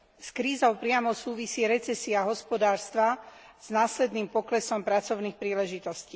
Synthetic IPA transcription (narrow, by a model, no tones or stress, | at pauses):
skɾiːzɔʊpɾɪamɔsuːʋisiːɾɛt͡sɛsiaɦɔspɔd̪aːɾst̪ʋa | z̥naːslɛd̪niːmpɔklɛsɔmpɾat͡sɔʊnixpɾiːlɛʒit̪ɔsciː